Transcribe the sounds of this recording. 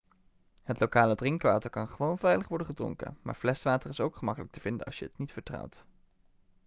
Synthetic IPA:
ɦətlowkaːlədrɪŋkʋaːtəɹkɑnχəʋownvɛjləχʋɔɹdənχədrʊ̰ŋkə̰ma̰ːɹv̥lɛsʋaːtərɪsowkχəmɑkələk̚təv̥ɪndənɑ̰lˠsjəətnitfəɹtrʌ̰wt

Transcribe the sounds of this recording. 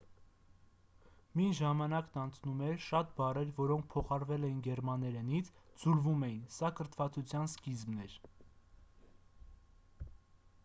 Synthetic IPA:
minʒɑmɑnɑknɑnt͡sʰnumɛɾʃɑt̪̚bɑrɛɾvɔɾɔŋk̚ʰpʰɔχɑɾvɛlɛjinɡɛɾmɑnɛɾɛnit͡sʰd͡zulvumɛjinsɑkəɾt̪ʰvɑt͡sʰut͡sʰjɑnskizmnɛɾ

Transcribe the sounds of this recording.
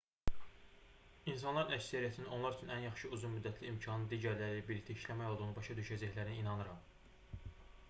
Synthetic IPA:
ins̬ɑnlˠɑɾinæcsæɾijæt̪ʰinino̞nlˠɑɾyt͡ʃʰynænjɑχʃɯuzunmyd̪ːæt̪ʰliimcʰɑnɯnd̪iːɟæɾlæɾibiɾict̪ʰæiʃlæmæjolˠd̪ɯʁnɯbɑʃɑd̪yʃæd͡ʒæçlæɾiniːnɑnɯɾɑm

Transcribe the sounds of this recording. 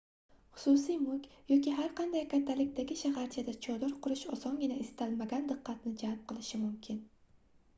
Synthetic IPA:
χʊ̥sʊsijmʊkʲʰjɒkʲiɦaɾqʰɑnd̪ajkʲʰat̪ʰːalɪkʲt̪aɡʲɪʃahaɾt͡ʃʰad̪at͡ʃʰɒd̪ɒɾqʰʊɾɪʃɒsɒnɡʲɪnaɪst̪almaɡʲand̪ɨqːɑt̪nɪd͡ʒalp̚qʰɨlˠɪʃɪmʊmkʲʰɪn

